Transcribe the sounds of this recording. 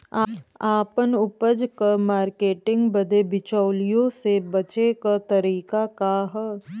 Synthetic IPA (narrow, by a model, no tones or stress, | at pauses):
aaːpənʊpəd͡ʒkamaːɾkeːʈɪ̃ŋɡbəd̪ʱebɪt͡ʃɔːlijõsebɐt͡ʃekat̪ɐɾiːkakaɦə